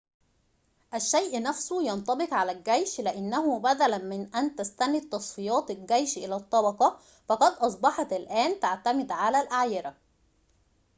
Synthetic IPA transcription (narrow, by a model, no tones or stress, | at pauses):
ʔæʃːæjʔnæfsʊjɑnt̪ˤɑbɪqʕalælɡæjʃlɪʔɪnːæɦʊbæd̪ælænmɪnʔænt̪æst̪ænit̪ˤːɑsˤfijɑːt̪lɡæjʃʔɪlæt̪ˤːɑbɑqɑ | fɑqɑd̪ʔɑs̬ˤbɑħɑt̪ɪlʔæːnt̪aʕt̪æmɪd̪ʕalælʔaʕjɪɾæ